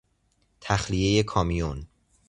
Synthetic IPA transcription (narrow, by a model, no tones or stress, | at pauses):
t̪ʰæxlije̞je̞kʰɒːmijon